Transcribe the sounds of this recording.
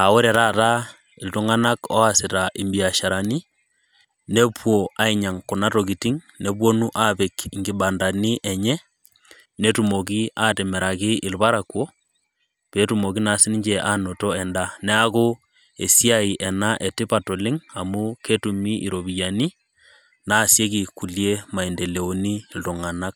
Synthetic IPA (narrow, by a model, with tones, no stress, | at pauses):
a˨o˦ɾe˨ɾa˦˨ta˦ | ɪ˨lto˦ŋa˦na˦kɔ˦a˨sɪ˨ta˨ʔɪ˨mbi˨a˨ʃa˨ɾa˨ni˦ | ne˦pwo˨a˨˦i˨ɲa˨ŋku˨na˦to˨k̬i˨ti˦ŋ | ne˦pwo˦nu˦ʔa˦pe˨ki˨ŋɡɪ˨ɓa˨nda˨ni˦ʔɛ˨ɲɛ˦ | ne˦tu˨mo˨k̬i˦a˦te˨mɛ˨ɾa˨kɪ˦ɪ˨lβa˦ɾa˨kwo˦ | pe˨˦tu˨mo˨ki˦na˨sɪ˦ni˦ɲd͡ʒɛʔa˦no˨tɔ˦ɛ˨nda˦nɛ˦a˦ko˦ | ḛ˨si˦a˦i˨ʔɛ˨na˦ʔe˨tɪ˦pa˨to˨lɪ˦ŋa˨mu˦ke˦tu˨mi˦ʔḭ˨ɾo˨bi˨ja˨ni˦ | na˦˨sje˦k̬i˨ku˨lje˦ma˨i˨ndɛ˨le˨o˨ni˦˨ltu˨ŋa˨na˦k̚